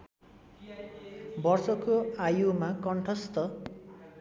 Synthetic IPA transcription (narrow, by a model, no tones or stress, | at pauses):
bʌrsʌkoajumakʌɳʈʰʌst̪ʌ